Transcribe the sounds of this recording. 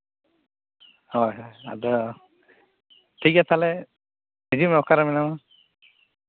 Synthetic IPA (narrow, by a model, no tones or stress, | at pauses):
hɔjɦɔja̰d̪ɔ | tʰikat̪ʰalɛ | ezimɔkʰaɾamɛnama